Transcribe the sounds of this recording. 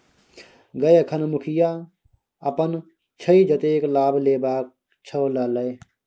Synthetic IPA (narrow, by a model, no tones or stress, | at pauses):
ɡəjkʰənmʊkʰija | ɐpən | t͡ʃʰəid͡ʒət̪eːklaːbleːbaːk̚ | t͡ʃʰəwlɐləj